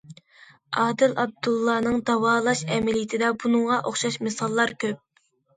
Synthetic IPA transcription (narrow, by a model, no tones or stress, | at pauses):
ɑːd̪ɪlɑb̚d̪ulˠːɑːnɨŋd̪ɑwɑːlˠɑʃɛmɪlit̪ʰɪd̪ɛbunɨŋʁɑʔoχʃɑʃmɨsɑlˠːɑɾkʲøp̚